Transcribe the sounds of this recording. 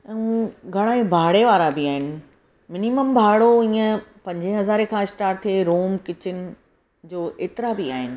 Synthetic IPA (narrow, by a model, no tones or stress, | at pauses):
ɛ̃ũɡʱɐɽ̃ãːẽbʱaːɽeʋaːɾabɪaːɦɪnɪ̆ | mɪniməmbʱaːɽoĩːə̃pɐ̃ɲd͡ʑẽɦɐzaːɾekʰãɪsʈaːɾʈ̚t̪ʰieɾoːmkɪt͡ɕɪn | d͡ʑoːʔeːt̪ɪɾabɪaːɦɪnɪ̆